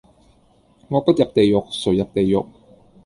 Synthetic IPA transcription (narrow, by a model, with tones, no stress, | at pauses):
ŋɔː˧pɐ˥t̚jɐ˨˩p̚t̪e˨jjʊ˨k̚sɵ˨˩ɥjɐ˨p̚t̪e˨jːʊ˨˩k̚